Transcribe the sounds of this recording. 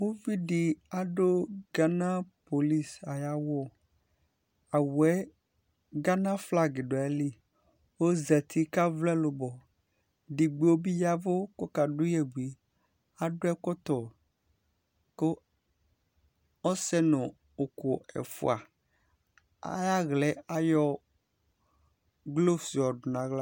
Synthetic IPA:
wo˦vi˦ɖi˨a˨ɖo˦ɡa˦nã˦po˨li˦sa˨ja˦wɔ˦˨ | a˨wɛ˦ | ɡa˦nã˦fla˦ɡe˨ɖo˨ɛ˦li˦ | wo˦zɛ˨t̪ʰi˦ka˦vlɛ˦lo˨bɔ˨ | ɖi˨ɡ͡be˨˦wo˦bi˦ja˦vo˦kɔ˦ka˨ɖʊ˦jɛ˨bi˨ | a˦ɖʊ˦ɛ˦kɔ˦t̪ɔ˨ | ko˦ | ɔ˦sɛ˦nʊ̃˨ | o˨ko˨ɛ̰˨fṵ˨a˨ | a̰˦ja˦ɣlɛ˨a˦jɔ˦ | ɡlo˦si˨ɔ˨ɖʊ˨nã˨ɣla˦

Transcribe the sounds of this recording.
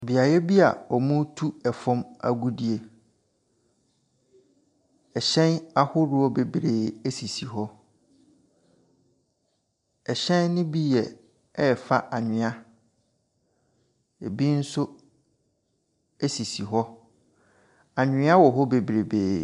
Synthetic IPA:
bi˨a˨jɛ˦bi˦a̰˨ɔ˨mũ˦tʰu˦ɛ˨fɔ̃˦ma̰˨ɡu˦di˨e˨ | ɛ˨ɕɛ̃˦na˦hʊ˦ɾʊ˦ɔ˦be˨bɾe˨e˦si˨si˨ɦɔ˦ | ɛ˨ɕɛ̃˦nːɪ̃˦bi˦jɛ˨ | ɛ˦˨fa˦ʔa˨ɲɪ̃˨a˦ | e˨bi˦n̩˦sʊ˦ | ɛ˦si˨si˨ɦɔ˦ | a˨ɲᶣɪ̃˦a˦wɔ˨ɦɔ˦be˨bɾe˨beː˨

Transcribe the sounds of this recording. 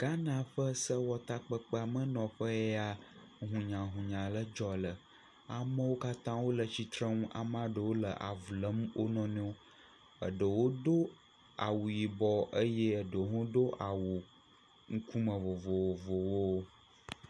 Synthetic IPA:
ɡ̥a˦nã˨ɸə˦sə˦wɔ˦t̪a˦k͡pə˦k͡pə˦a˨mə̃˦nɔ̃˨ɸə˦e˦a˨ | ɦũ˨ɲã˨ɦũ˨ɲã˨lə˦d͡ʒɔ˨lə˨ | a˨mə̃˦wo˦ka˦t̪ã˦wo˦lə˨t͡ɕi˨t̪ɾə˦ŋũ˦ʔa̰˨m˦a˦ɖə˨wo˦lə˨ʔa̰˨vlə˦mwʔo˦nɔ̃˦nɛ̃˦wo˦ | ə̰˨ɖə˨wo˦do˦ | a̰˨wu˨ji˨bɔ˨ə˦je˦ə˨ɖə˨ɦũ˦ɖo˦ʔa˨wu˨ | ŋ̩˦ku˦mə̃˨vo˨vo˨wo˨vo˨wo˦

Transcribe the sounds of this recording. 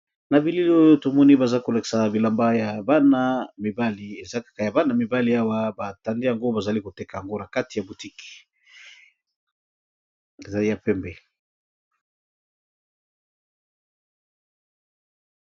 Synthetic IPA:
na˨bi˨li˦lo˦jo˦to˨mɔ˦ni˦ba˨za˦ko˨la˨ki̥˨sa˨bi˨la˨mba˦ja˨ba˦na˨mi˨ba˦li˨e˨za˦kḁ˨ka˨ja˨ba˦na˨mi˨ba˦li˨a˦wa˦ba˨ta˨nde˦ja˨ŋɡo˦ba˨za˨li˦ko˨te˦ka˨ja˨ŋɡo˦na˨ka˦ti˨ja˨bu˨ti˦ki̥˨ | e˨za˨li˦ja˨pɛ˦mbɛ˨

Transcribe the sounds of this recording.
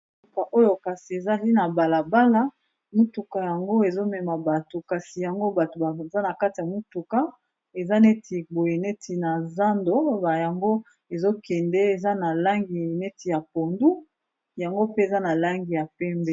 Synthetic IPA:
u˦tu˨ka˨ʔo˦jo˨ka˨si˨e˨za˦li˦na˨ba˨la˨ba˦la˦ | mu˦tu˨ka˨ja˨ŋɡo˦e˨zo˦mɛ˨ma˨ba˨to˨ka˨si˨ja˨ŋɡo˦ba˨to˨ba˨za˦na˨ka˦ti˨ja˨mu˦tu˨ka˦ | e˨za˦ne˦tʰi˨bo˨je˨ne˦tʰi˨na˨za˦ndo˦ba˨ja˨ŋɡo˦ | e˨zo˦kɛ˨ndɛ˦e˨za˦na˨la˦ŋɡi˨ne˦ti˨ja˨po˨ndu˦ | ja˨ŋɡo˦pe˦e˨za˦na˨la˦ŋɡi˨ja˨pɛ˦mbɛ˦

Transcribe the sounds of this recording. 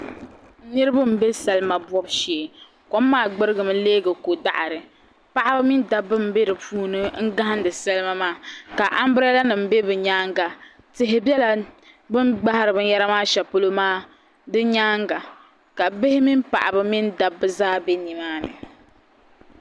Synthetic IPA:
nɨ˦ɾɨ˦bɨ˦m̩˨be˦sɛ˨lɨ˦ma˨bɔ˦bʃeː˨ | kɔ˦mː˦aː˦˨ɡ͡bɨ˦ɾɨ˦ɡɨ˨mɨ˦leː˦ɡɨ˨ko˨da̰˦ʔa˨ɾɨ˨ | pa˦ʔa˦bɨ˦mɪ˦nda˦bːɨ˦m̩˨be˦ɾɨ˨puː˦nɨ˦ŋ̩˦ɡa˦hn˦dɨ˨sɛ˦lma˦maː˦ka˨ʔa˦m˦bɾa˦la˦nɨ˨m̩˨˦be˦bɨ˨ɲaː˦ŋɡa˨ | tɪ˨ɦɪ˨bɛ˦la˨ | bɨ˦mɡ͡ba˦ha˦ɾɨ˨bɨ˨˦ja˦ɾa˦maː˦ʃɛ˨po˦lo˦maː˦ | dɨ˦ɲaː˦ŋɡa˨ | ka˨bɪ˦hɪ˦mi˦mpa̰˨ʔa˨bɨ˦mi˦nda˦bːɨ˦zaː˦be˦ni˨maː˦nɨ̰˨

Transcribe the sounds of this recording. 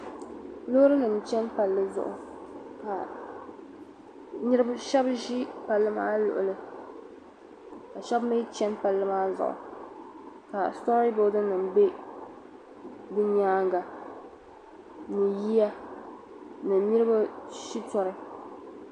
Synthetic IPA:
lo˦ɾɨ˦nɨ˨m˨t͡ʃɛ˦npa˨lːɨ˦zʊ̰˨ʔʊ̰˨ | ka˨ | ni˦ɾɨ˦bʃɛ˦bʒi˦pa˨lːɨ˦ma̰ː˦lʊ̰˨ʔʊ˨lɨ˦ | ka˨ʃɛ˦bme˦t͡ʃɛ˦npa˨lːɨ˦maː˦zʊ̰˨ʔʊ̰˨ | ka˨stɔ˦ɾi˦bo˦dɨ˦nɨ˨mbe˦ | bɨ˦ɲaː˦ŋɡa˨ | nɨ˨ji˦ja˦ | nɨ˨ni˦ɾɨ˦ba˦ʃi˦tɔ˦ɾɨ˦

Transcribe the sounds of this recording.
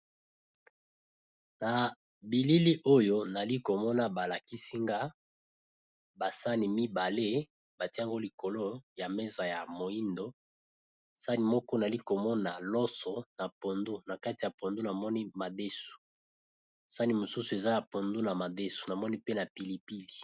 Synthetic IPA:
na˨ | bi˨li˦li˦ʔo˦jo˦na˨li˦ko˨mɔ˦na˦ba˨la˨ki˦si˦ŋɡa˦ | ba˨sa˦ni˨mi˦ba˨le˦ | ba˨ti˦a˦˨ŋɡo˦li˨ko˨lo˦ja˨me˦za˨ja˨mo˨i˦ndo˦ | sa˦ni˨mɔ˦kɔ˦na˨li˦ko˨mɔ˦na˨lɔ˦sɔ˨na˨po˨ndu˦na˨ka˦ti˨ja˨po˨ndu˦na˨mɔ˦ni˦ma˨de˦su̥˨ | sa˦ni˨mo˨su˦su˨e˨za˦ja˨po˨ndu˦na˨ma˨de˦su̥˨na˨mɔ˦ni˦pe˦na˨pi˨li˨pi˦li˨

